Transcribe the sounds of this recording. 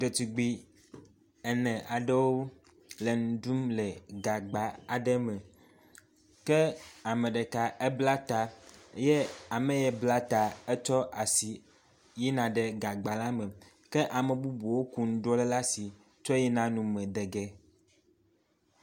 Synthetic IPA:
ɖe˨t̪i˨ɡ͡bi˨ | ɛ˨nɛ̃˨ʔa˨ɖə˦woo˦ | le˨nũ˨ɖu˦mlɛ˨ɡa˨ɡ͡ba˨a˨ɖɛ˦mɛ˨ | kɛ˦a˨mẽ˨ɖɛ˨ka˨ʔe˦bla˦t̪a˨e˦je˦a˨mɛ̃˨jɛ˨bla˦t̪a˨e˦t͡ʃɔ˦ʔa˨si˨ | jɛ˦nã˨ɖɛ˨ɡa˨ɡ͡ba˨la˦mɛ̃˨ | kɛ˦ʔa˨mẽ˨bu˦bu˨wo˦ku˨ŋ̩˦ɖɔ˦lɛ˦la˦si˨ | t͡ʃɔ˦jɛ˦nã˦nũ˨mɛ̃˨d̪ɛ˨ɡɛ˦

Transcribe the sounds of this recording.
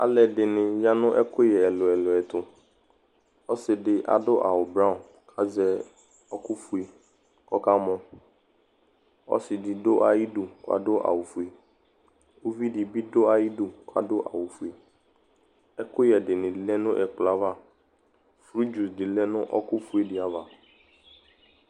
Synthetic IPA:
a̰˨lɛ˨dɪ˨nɪ̃˨ja˦nʊ̃˦ʔɛ˦kʊ˦jɛ˨ɛ˨lʊ˨ɛ˨lʊ˨ɛ˨t̪ʊ˨ | ɔ˦sɪ˨dɪ˦ʔa̰˨dʊ˦ʔa˨wʊ˨bɾa˦˨ | kʰa˦zɛ˦ | ɔ˦kʊ˦fu˨e˨ | kɔ˦ka˦mɔ̃˨ | ɔ̰˦sɪ˨dɪ˨dʊ˦ʔa˨ji˦du˨kʊ̰˦a̰˦dʊ˦ʔa̰˨wʊ˨fu˨e˨ | o˦vi˦ɖɪ˨bi˦do˦a˨ji˦du˨kʊ˦a̰˦dʊ˦ʔa̰˨wʊ˨fu˨e˨ | ɛ˦kʊ˦jɛ˨ɖɪ˨nɪ̃˨lɛ˦nʊ̃˦ʔɛ˨k͡pla˦va˦ | fɾi˦d͡ʒu˨sdɪ˨lɛ˦nʊ̃˦ʔɔ˦kʊ˦fu˦e˦dɪ˨a˨va˨

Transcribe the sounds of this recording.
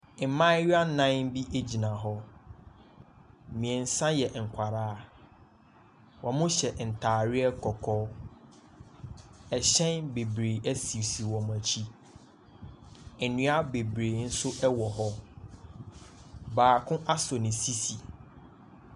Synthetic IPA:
m̩˨mã˦ɥa˦nã˦m˦bi˦ʔe˦d͡ʑi˨nã˨ɦɔ˦ | mĩ˨ɛ̃˨n̩˦sã˦jɛ˨ŋ̩˨kʷʰa˨ɾaː˦ | wɔ̃˨mʊ̃˦ɕɛ˨n̩˨tʰaː˨ɾɪ˦ɛ˦kʰɔ˨kʰɔː˦ | ɛ˨ɕɛ̃˦nbe˨bɾeː˨ʔæ˦si˨wsi˨wɔ̃˨m˨æ˨t͡ɕʰi˦˨ | nʊ̃˨˦a˦be˨bɾeː˨n̩˦sʊ˦ʔɛ˦wɔ˨ɦɔ˦ | baː˨kʰʊ̃˦ʔa˦sɔ˨nɪ̃˨si˦si˨

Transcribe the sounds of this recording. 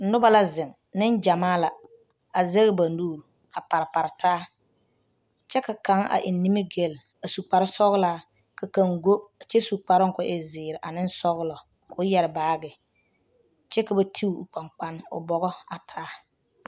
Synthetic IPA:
n̩˦nʊ˦ba˦la˦zɪ˨ŋ | nɪ˦nd͡ʒa˨maː˦la˨ | a˨ze˦ɣɪ˦ba˨nuː˦˨ɾu˨ | a˨pa˨ɾɪ˨pa˨ɾɪ˨tʰaː˦ | t͡ʃɛ˦ka˨ka˨˦ŋa̰˨ʔɪ˨nːi˦mi˦ɡe˦˨l | a˨su˨k͡pa˨ɾɪ˦sɔ˦ɣlaː˦˨ | ka˨ka˨ŋɡo˦˨t͡ʃɛ˦su˨k͡pa˨ɾɪ˦ŋkʊ˦ʔɪ˦zɪː˨ɾɪ˨ʔa˨nɪ˦n˦sɔ˦ɣlɔ˨ | kʰʊ˦jɛ˨ɾɪ˨baː˦ɡɪ˨ | t͡ʃɛ˦ka˨ba˦tʰi˦˨k͡pa˨ŋk͡pa˦nʊ̰˨bɔ˨ɣɔ˦a˨tʰaː˦

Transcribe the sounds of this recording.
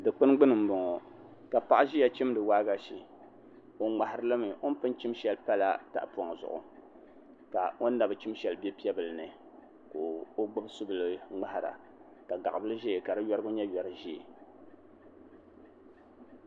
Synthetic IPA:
dɨ˨k͡pɨ˦nɡ͡bɨ˦nɨ˨m̩˨bɔ˨ŋɔ˨ | ka˨pa˦ʔa˦ʒi˦ja˨t͡ʃi˦m˦dɨ˨waː˦ɡa˨ʃi˨ | o˨ŋ͡ma˨ha˨ɾɨ˦lɨ˦mɨ˨ʔo˦n˦pɨ˦n˦t͡ʃi˦mʃɛ˦lpa˦la˦ta̰˨ʔpa˨ŋ˨zʊ̰˨ʔʊ̰˨ | ka˨o˦n˦da˨bɨ˨t͡ʃi˦mʃɛ˨lbɛ˦pi˦ɛ˦bɨ˨lɨ˨nɨ˨ | ko˨o˦ɡ͡bɨ˦bsʊ˦bɨ˨lɨ˦ŋ͡ma˦ha˨ɾa̰˨ | ka˨ɡa̰˨ʔbɨ˦lɨ˦ʒɛ˦˨ka˨dɨ˦jɔ˦ɾɨ˦ɡʊ˦ɲɛ˦jɔ˨ɾɨ˨ʒi˦ḛ˨

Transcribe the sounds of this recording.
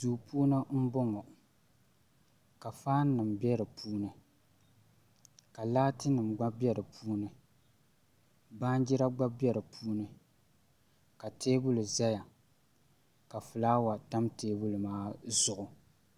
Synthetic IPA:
duː˨pʰuː˦nɨ˦m̩˦bɔ˦ŋɔ˨ | ka˨faː˦n˦nɨ˨mbɛ˦ɾɨ˨pʰuː˦nɨ˨ | ka˨laː˦tɨ˦nɨ˨mɡ͡ba˦bɛ˦ɾɨ˨pʰuː˦nɨ˨ | baː˦n˦d͡ʒi˦ɾa˦ɡ͡ba˦bɛ˦ɾɨ˨pʰuː˦nɨ˨ | ka˨tʰeː˦bʊ˦lɨ˨za˦ja˨ | ka˨fɨ˨laː˦wa˨ta˦mteː˦bu˦lɨ˨maː˦zʊ˦ʔʊ˨

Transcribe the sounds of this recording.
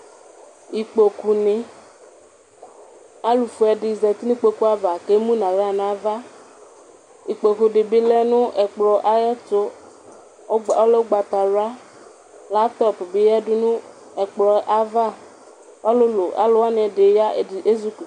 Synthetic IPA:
i˨k͡po˨ku˨nɪ˨ | a˦lu˨fu˨ɛ˨dɪ˨zɛ˨t̪i˦nĩ˦k͡po˦ku˦a˦va˨ke˦mũ˦nã˨ɾa˦˨nã˨˦va˦ | i˨k͡po˨ku˨ɖɪ˨bɪ˦lɛ˦nʊ̃˦ʔɛ˨k͡plɔ˨ʔa˨jɛ˦tʊ˦˨ | ɔ˦le˦ɡ͡ba˨t̪a˨ɾa˦ | la˦p̚t̪ɔ˦˨pbɪ˨ja˦dʊ˦nʊ̃˦ | ɛ˨k͡plɔ˨ʔa˦va˦ | ɔ˦lʊ˦lo˨ʔa̰˨˦lʊ˦wa˦nɪ˨ɛ˨de˨ja˦˨e˦zu˦k

